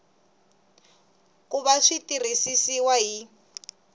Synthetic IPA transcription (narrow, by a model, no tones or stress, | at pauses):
kuβaʂitir̤isisiwaɦi